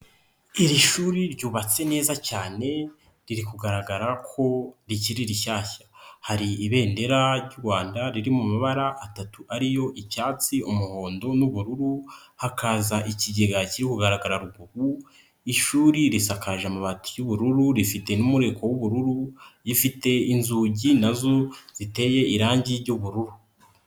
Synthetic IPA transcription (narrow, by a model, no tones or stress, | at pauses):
iɾiʃuːɾiɾɟuːβat͡se̞ne̞ːzacaːne̞ | ɾiɾikuɡaɾaɡaɾakʰo̞ɾiciɾiɾiaːçḁhaɾiiβe̞ːnde̞ɾaɾɟuɾɡwaːndaɾiɾimumaβaɾaʔatatuʔaɾijo̞ʔipcaːt͡siumuho̞ːndo̞nuβuɾuɾu | hakazaʔiciɟeɡaciɾikuɡaɾaɡaɾaɾubɡuɡu | iʃuːɾiɾisakaʒamaβatu̥juβuɾuɾuɾifite̞numuɾe̞kʰo̞wuβuɾuɾujifite̞inzuːɟinazo̞z̥ite̞je̞iɾaːɲɟiɾɟuβuɾuɾu